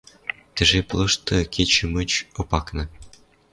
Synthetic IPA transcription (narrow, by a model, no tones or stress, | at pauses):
t̪ɘ̆ʒeplˠɤ̆ʂt̪ɤ̆kʲet͡ɕɘ̆mət͡ɕŏpɑknɤ̆